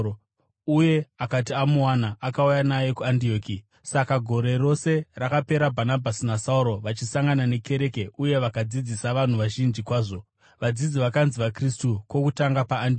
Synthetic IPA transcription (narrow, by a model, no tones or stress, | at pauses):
uje̞akat̬iamuanaʔakaujanaje̞kuandio̞ːki | sakaɡʱo̞ɾe̞ro̞se̞rakape̞ɾabʱanabʱasinasauɾo̞ʋat͡ʃisaŋɡanane̞ke̞ɾe̞keʔuje̞ʋakad͡zid͡zisaʋan̤uʋaʒind͡ʒikwaːʐo̞ | ʋad͡zid͡ziʋakanziʋakristukwo̞kutaŋɡapaːndi